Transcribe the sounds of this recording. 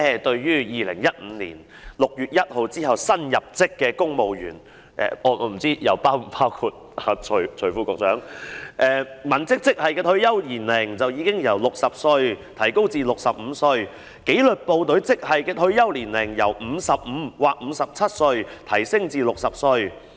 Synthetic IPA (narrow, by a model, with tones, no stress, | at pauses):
ɛ˨˧t̪ɵ˧ɥjyː˥jiː˨lɪ˨˩ŋjɐ˥t̚m̩ː˨˧lḭː˨˩n | lʊ˨k̚jyː˨t̚jɐ˥t̚ho˨˧wt͡siː˥hɐ˨wsɐ˥njɐ˨p̚t͡sɪ˥kːɛː˧kʊ˥ŋmo˨wjyː˨˩n | ʔɛ̰ː˨ʔɔː˨˧ɔ˨˧m̩˨˩t͡siː˥jɐ˨˩wpaː˥wpʰaː˥wkʰuː˨˧t̚ | aː˨˧t͡ʃʰɥt͡ʃʰɵ˨˩ɥfuː˨˥kɔː˧k̚t͡sœː˨˥ŋʔɛː˨˧mɐ˨˩nt͡sɪ˥k̚t͡sɪ˥k̚hɐ˨jkɛː˧t̪ʰɵ˧ɥjɐ˥wliː˨˩nlɪ˨˩ŋt͡sɐ˨wjiː˨˧kɪ˥ŋjɐ˨˩wlʊ˨k̚sɐ˨p̚sɵ˧ɥt̪ʰɐ˨˩jko˥wt͡siː˧lʊ˨k̚sɐ˨p̚m̩˨˧sɵ˧ɥ | ke˨˥jlɵ˨t̚po˨wt̪ɵ˨˥ɥt͡sɪ˥k̚hɐ˨˩jkɛː˧t̪ʰɵ˧ɥjɐ˥wliː˨˩nlɪ˨˩ŋjɐ˨˩wm̩ː˨˧sɐ˨p̚m̩˨˧˥waː˨˩k̚m̩˨˧˥sɐ˨p̚t͡sʰɐ˥t̚sɵ˧ɥt̪ʰɐ˨˩jsɪ˥ŋt͡siː˧lʊ˨k̚sɐ˨p̚sɵ˧ɥ